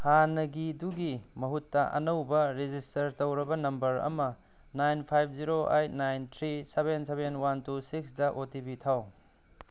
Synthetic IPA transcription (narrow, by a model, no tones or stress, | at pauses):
hanɐɡiduɡimɐɦutːɐʔɐ̰nɐwbɐɾed͡ʒistɐɾtɐwɾɐbɐnɐmbɐɾɐ̰mɐ | najnpʰajb̚ʰziɾoʔa̰jt̚najntʰɾisebensebenwantusiksdɐʔotibitʰaw